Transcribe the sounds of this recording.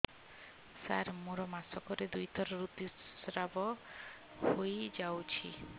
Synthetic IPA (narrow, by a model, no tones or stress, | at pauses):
sa̰ɾmuɾɔmasɔkɔɾed̪ujt̪ɔɾɔɾut̪isɾabɔ | hojd͡ʒawt͡ʃʰi